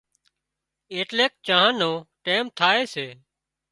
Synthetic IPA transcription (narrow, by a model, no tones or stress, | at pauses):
eːʈleːk̚t͡ʃaːɦãːnõːʈeːmt̪ʰaːeːseː